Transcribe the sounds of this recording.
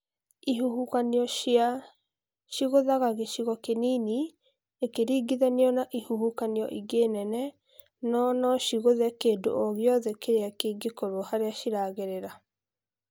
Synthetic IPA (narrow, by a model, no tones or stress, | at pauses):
ihuukanɔa | ʃiɣoðaɣaɣeʃiɣɔkeniːni | ekeɾiːɡiðɛniɔnaʔihuhukaniɔ̰ʔiɡeːnɛnɛ | nɔnɔʃiɣoðɛkeːndo̰ʔoɣjɔðɛkeɾeakeɡekoɾohaɾeaʃiɾaːɣeɾeɾa